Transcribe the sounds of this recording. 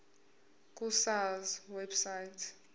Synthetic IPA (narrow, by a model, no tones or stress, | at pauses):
kʼusalzwɛbsajtʰ